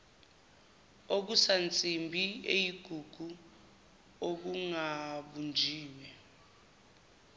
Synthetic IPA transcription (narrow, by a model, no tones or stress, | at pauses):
ok̬usant͡sʼimbʱiejiɡ̥ʱuɡ̥ʱu | ok̬uŋaɓund͡ʒʱiːwɛ